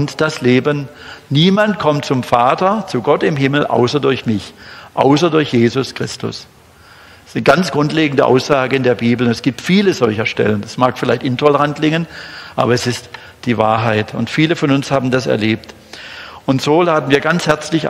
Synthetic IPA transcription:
ʊntd̥asleːbənː | iːmant̚kʰɔmt̚t͡sʊmfaːtɐt͡suɡɔtɪmɦɪml̩ʔa̰ʊsɐdʊɐçmɪçʔa̰ʊsɐdʊɐçjeːzʊskʁ̥ɪstʊ̰s | sɡ̥ant͡sɡ̥ʁʊntleːɡŋ̩dəʔa̰ʊsz̥aːɡəɪndeːɐbiːbl̩ʊnɛsɡ̥iːp̚tfiːləzɔlçɐʃtɛ̰lənd̥asmaːkfɪlaɪçtɪntʰɔləʁantʰlɪŋənʔa̰ːbɐɛsɪst | d̥iːvaːɐɦaɪtʊ̰ntfiːləfɔnʊnshaːbn̩dasɛ̰ɐleːp̚t | ʔʊntz̥oːlaːbn̩viːɐɡant͡shɛɐt͡slɪç

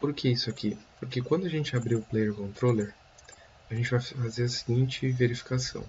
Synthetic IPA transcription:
poɾkʰeisʊakipoɾkekwɐ̃nd̪ʊaʒẽnt͡ʃɪabɾiwʊplejeɾkõnt̪ɾoleɾ | ɐʒẽnt͡ʃɪvajfazeɾɐsiɡĩnt͡ʃɪveɾifi̥kasɐ̰̃w̃

